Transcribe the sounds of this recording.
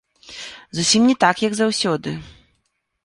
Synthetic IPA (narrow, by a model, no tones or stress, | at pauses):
zusʲimnʲɛt̪akjɐɡzawsʲɔd̪ɨ